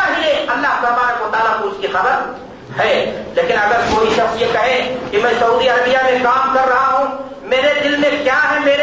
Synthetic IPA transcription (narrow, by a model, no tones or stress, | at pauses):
aɦieːkɐlːaɦpɾɐbaːɾəkʋɐt̪aːlakoʊskixɐbəɾ | hɛːleːkɪnɐɡəɾkoːɦisɐbjekɐɦẽkimɛ̃ːsɐuːd̪iɐɾəbijamẽkaːmkɐɾːɐɦaɦũ | meːɾed̪ɪlmẽkjaɦɛmeːɾe